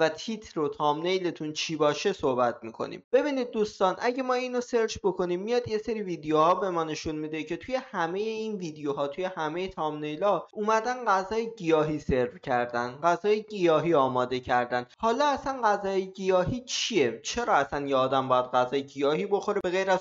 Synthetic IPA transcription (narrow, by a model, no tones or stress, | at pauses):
væt̪ʰit̪ʰɾo̞t̪ʰɒːmnejle̞t̪ʰunt͡ʃʰiːbɒːʃe̞so̞hbæt̪ʰmiːkʰo̞̰nḭmb̥e̞biːniːd̪̚ːuːst̪ɒːnʔæɟe̞mɒːiːno̞se̞ɾd͡ʒbo̞kʰo̞nimːijɒːd̪je̞se̞ɾiviːd̪ejohɒːbe̞mɒːne̞ʃunmid̪ecʰe̞t̪ʰuje̞hæme̞jeinviːd̪ejoɦɒːt̪ʰuje̞hæme̞jet̪ʰɒːmne̞jlɒʔuːmæd̪ænɢæzɒːjeɟijɒːɦiːse̞ɾvcʰæɾd̪ænɢæzɒːjeɟijɒːɦiːɒːmɒːd̪e̞cʰæɾd̪ænhɒːlɒːæsænɢæzɒːjeɟijɒːɦiːt͡ʃʰie̞t͡ʃʰe̞ɾɒːæsænjeɒːd̪æmbɒːjæd̪̚ɢæzɒːjeɟijɒːɦiːbo̞xo̞ɾebe̞ɣejɾæz